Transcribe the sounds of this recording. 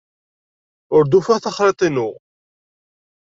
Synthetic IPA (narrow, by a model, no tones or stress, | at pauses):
ʊɾd̪ufæθɑχɾet̪ˤinʊʁ